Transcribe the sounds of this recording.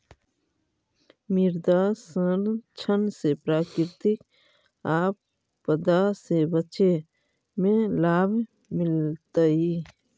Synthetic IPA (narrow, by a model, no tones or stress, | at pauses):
mɪɾd̪asənt͡ʃʰənsepɾaːkɪɾt̪ɪk | aːpː | əd̪asebət͡ʃe | mẽlaːbʱ | mɪlt̪əi